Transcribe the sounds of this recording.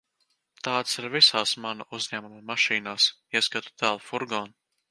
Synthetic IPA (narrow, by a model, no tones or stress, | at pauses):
t̪aːt̪siɾvisaːsmanuuzɲæːmummaʃiːnaːs | iɛskat̪u̥t̪æːlˠfuɾɡɔːn